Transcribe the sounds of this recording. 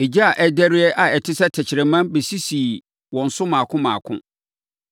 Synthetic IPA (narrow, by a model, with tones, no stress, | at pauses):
e˨d͡ʑi˦a˨ʔɛ˦dæ˦ɾɪ˦ɛ˦ʔa˨ɛ˨tʰɪ˦sɛ˦tʰɛ˨t͡ɕʰɪ˨ɾɛ˨mã˦nbe˨si˦si˨ | wɔ̃˨n̩˨sʊ˦mãː˨kʰʊ̃˦mã̰ː˨kʰʊ̰̃˦